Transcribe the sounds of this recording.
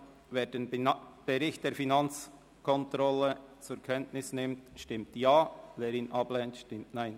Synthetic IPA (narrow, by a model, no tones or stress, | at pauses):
veːɾdenb̥ɛɾɪçt̚d̥eːɾfinɑnt͡s | kʰɔntɾɔlət͡sukʰɛntnɪsnɪmtʃtɪmtjaːveːɾiːnʔɑblɛntʃtɪmtnaɪn